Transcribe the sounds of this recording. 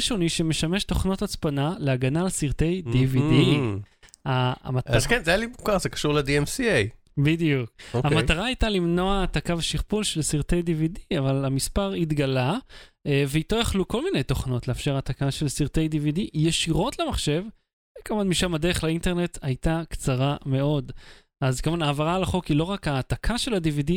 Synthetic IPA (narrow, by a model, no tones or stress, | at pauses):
ʃo̞niʃemeʃame̞ʃto̞χno̞tat͡spanaleaɡanalsiʁt̪e̞jd̪ividi | amaazkenzajalibukaʁzekḁʃuʁlediemsiej | bid̪ijukoamataʁaːjtalimno̞aːt̪akaveʃiʁpulʃelsiʁte̞jdividiavalamispaʁit̪ɡalaeveit̪ojaχluko̞lminejto̞χno̞tleafʃe̞ʁatakaʃe̞lsiʁte̞jdividijeʃiʁo̞tlemaχʃe̞v | ekavanmiʃamad̪eʁeχlainte̞ʁne̞tajtakt͡saʁame̞o̞d | azkavanaːvaʁalaχo̞kilo̞ʁakaːt̪akʰaʃe̞ladividi